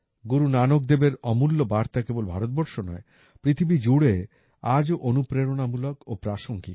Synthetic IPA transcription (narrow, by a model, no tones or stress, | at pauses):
ɡuɾunanok̚d̪ebeɾɔmulːobaɾt̪akebolbʱaɾot̪̚bɔɾʃonɔ̰e | pɾit̪ʰibid͡ʑuɽe | ad͡ʑoʔonupɾeɾonamulokopɾaʃoŋɡi